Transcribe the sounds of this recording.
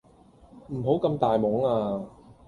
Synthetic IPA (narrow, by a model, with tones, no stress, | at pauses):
m̩˨˩ɦo˨˥wkɐ˧mt̪aː˨jmɔː˨˥ŋaː˧